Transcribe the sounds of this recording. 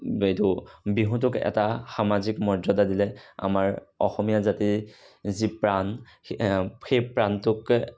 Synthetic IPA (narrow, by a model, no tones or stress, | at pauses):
ejtʊbiɦũtʊkɛ̰taxamazikmɔzɔdadilɛa̰maɹɔxɔmijazati | zipɹan | xejpɹantʊk